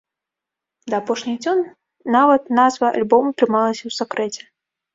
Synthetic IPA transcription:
d̪ɐːpɔʂnʲid͡zʲɔn | navɐt̪nazvɐa̰lʲbɔmut̪ɾɨmalˠɐsʲɐwsakɾɛt͡sʲɛ̥

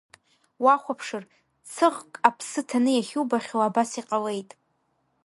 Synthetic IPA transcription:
waχʷapʰʂɨr | t͡sʰɨʁkʼapʰsɨtʰanɨjaχʲubaχʲowabasiqʼale̞jtʼ

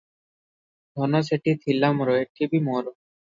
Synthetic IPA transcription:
d̪ʱɔnɔseʈit̪ʰilːamɾɔeʈʰibimɔɾɔ

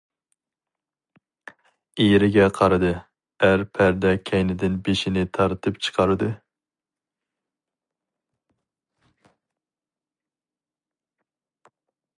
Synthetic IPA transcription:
eɾɪɡʲɛqʰɑɾɨd̪ɨ | æɾpʰæɾd̪ɛkʲʰɛjnɪd̪ɪnbeʃɪnɪt̪ʰɑɾt̪ʰɨpt͡ʃʰɨ̥qʰɑɾɨd̪ɨ

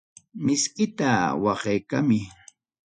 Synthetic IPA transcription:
mɪskɪt̪awɑχejkamɪ

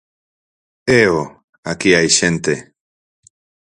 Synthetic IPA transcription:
eo | akiajɕent̪e

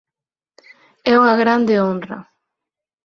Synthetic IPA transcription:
ɛuŋaɣɾand̪eonrɐ̰

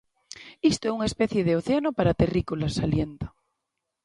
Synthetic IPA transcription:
ist̪oeuŋespeθjeðeoθeanopaɾat̪erikulasaljent̪ḁ

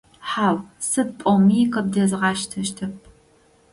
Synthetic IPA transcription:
ħaːwsɨd̚pʼɔmiːqɐb̚dɐzɨʁɑːʃtʰɐʃtʰɐp̚ʰ

